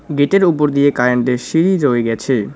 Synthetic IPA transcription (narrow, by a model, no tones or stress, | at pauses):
ɡeʈeɾupoɾd̪ijekaɾeɳʈeʃiɾid͡ʑoeɡɛt͡ɕʰe